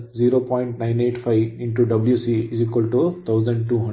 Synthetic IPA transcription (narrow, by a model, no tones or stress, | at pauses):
ziːɾoːpɔ̃ːɪ̃ɳʈnãɪ̃neːʈfʰaɪʋɪ̃ɳʈuɖɐbljuːsiiziːkʋəlʈut̪ʰaʊzə̃ɳɖ̚ʈuːɦɐ̃